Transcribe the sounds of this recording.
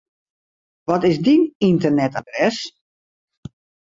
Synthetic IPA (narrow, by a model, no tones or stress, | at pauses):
ʋɔtɪsdinintərnɛtadrɛs